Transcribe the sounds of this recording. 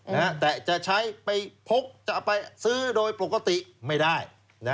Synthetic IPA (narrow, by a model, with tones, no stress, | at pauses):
na˦˥t̪ɛː˨˩t͡ɕa˨˩ʔt͡ɕʰa˦˥jpa˧jpʰo˦˥k̚t͡ɕa˨˩ʔpa˧jsɯː˦˥˩doː˧jpo˨˩ka˧t̪i˨˩ʔma˥˩jdaː˥˩j | na˦˥